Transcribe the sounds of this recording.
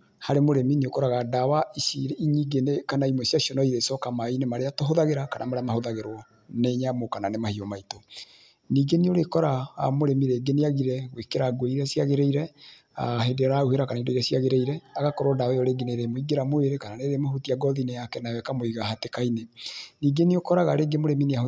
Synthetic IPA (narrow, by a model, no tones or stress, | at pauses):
haɾemoɾemineokɔɾaɣadawaisiɾiɲiɡenekanaimwɛsiasiɔnɔiðesɔkamainemaɾeatoɦoðaɣeɾakanʔamaɾeamahoðaɣeɾɔ | neɲamokananemahiomaito | niːɡenioɾekɔɾamoɾemiɾeɡeneaɣiɾɛɣwekeɾaɡweiɾɛsiaɣeɾeiɾɛ | a̰ɦedeɾauheɾakanaidaiɾɛsijaɣeɾeiɾɛaɣakɔɾɔdaɛjɔɾeɡeneɾemoiɡeɾamoeɾekananeɾemohotiaɡɔðinejakɛnawɛkamoiɣahatekaineniːɡeneokɔɾaɣaɾeːɡemoɾemineao